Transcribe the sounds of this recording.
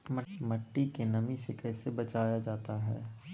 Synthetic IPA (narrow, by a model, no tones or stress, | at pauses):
məmɐʈːikenɐmisekɛːsebɐt͡ʃaːjad͡ʒaːt̪aɦɛ̰ː